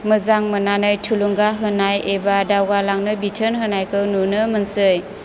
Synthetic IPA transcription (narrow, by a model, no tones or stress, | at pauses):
məzaŋmənanɯjtʰuluŋɡaɦɯnajebadawɡalaŋnɯbitʰənɦɯnajkʰɯwnunɯmənsɯj